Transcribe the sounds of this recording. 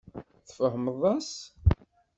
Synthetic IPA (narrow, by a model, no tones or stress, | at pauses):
θfəɦməðˤɑs